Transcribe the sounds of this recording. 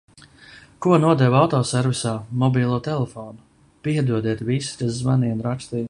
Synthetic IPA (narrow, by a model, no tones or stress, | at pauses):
kuɔnuɔd̪ɛvawt̪ɔːsɛɾvisaːmɔbiːlˠuɔt̪ɛlɛfoːnu | piɛd̪uɔd̪iɛt̪visi̥kaszvaniːunɾakst̪iː